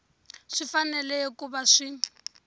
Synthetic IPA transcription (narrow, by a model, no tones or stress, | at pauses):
ʂifanɛlɛkʼubaʂi